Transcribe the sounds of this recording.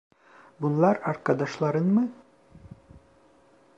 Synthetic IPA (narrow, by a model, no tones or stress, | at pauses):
bunlˠɑɾɑɾkɑd̪ɑʃlˠɑɾɤnmɤ